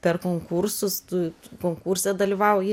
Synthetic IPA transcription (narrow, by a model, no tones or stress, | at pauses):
pʲɛrkoːŋkuɾsʊst̪ukoːŋkuːɾʲsʲɛd̪ɐlʲiʋɑʊojɪ